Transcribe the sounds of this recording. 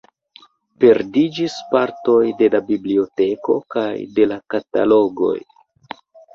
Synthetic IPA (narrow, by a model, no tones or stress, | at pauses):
pe̞ɾdid͡ʒispaɾto̞jde̞labiblio̞te̞ko̞̰kajde̞lakata̰lo̞ɡo̞̰j